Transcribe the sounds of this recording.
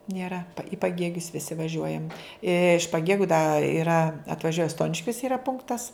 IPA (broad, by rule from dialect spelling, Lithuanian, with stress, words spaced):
nʲiɛˈrɐ ɪ pɐˈɡʲeːɡʲʊs ʋʲɪˈsʲɪ ʋɐˈʒʲuɔjɛm ɪʃ pɐˈɡʲeːɡʲʊ dɐ ɪˈrɐ ɐtʋɐˈʒʲuɔjɛ ˈstoːnʲɪʃʲkʲoːs ɪˈrɐ ˈpʊŋktɐs